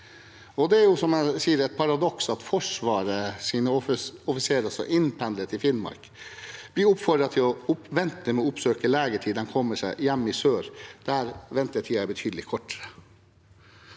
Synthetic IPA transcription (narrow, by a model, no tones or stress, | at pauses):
ɔd̪ɛæɾjʊsɔmæsiːəɾɛt̪̚pʰɑɾɑd̪ɔksɑt̪fɔʂʋɑːɾəsiːnəɔfɔfɪseːɾɑsɔ̰ʔɪnpʰɛnd̪lət̪ʰɪfɪnmɑ̰ɾk | b̥lɪʊpfɔɖɾɑt̪ʰɪlɔʊpʋɛnt̪əmɛɔʊpsøːkəleːɡəʈʰiːd̪ɛnkʰɔmːəʂæɪjɛmːɪsøːɾd̪̥æːɾʋɛnt̪əʈʰiːɑæɾbət̪ʰyːd̪əlɪkʰɔʈːəɾə